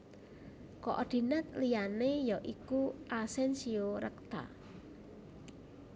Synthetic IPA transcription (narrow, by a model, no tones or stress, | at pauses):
kɔʔɔd̪̥i̤nət̪̚lijanejɔʔikuʔasɛnsioɾə̰k̚t̪a̰